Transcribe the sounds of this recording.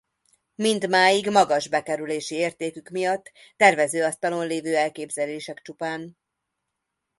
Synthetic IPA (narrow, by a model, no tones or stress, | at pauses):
mind̪maːjiɡmɒɡɒʒbɛkɛɾyleːʃieːrt̪eːkykmijɒt̪ː | ɛrvɛzøːɒst̪ɒlo̞nleːvøːɛlkeːbzɛleːʃɛkt͡ʃupaːn